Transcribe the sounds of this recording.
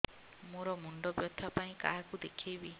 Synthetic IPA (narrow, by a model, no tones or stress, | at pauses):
moɾɔmuɳɖɔbjɔt̪ʰapaĩkaɦakud̪ekʰejbi